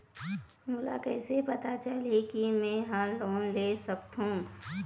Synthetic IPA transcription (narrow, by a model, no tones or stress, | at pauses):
mʊla̰kɛːsepɐt̪at͡ʃəlekimɛ̃ːɦaloːnleːsɐk̚t̪ɦũː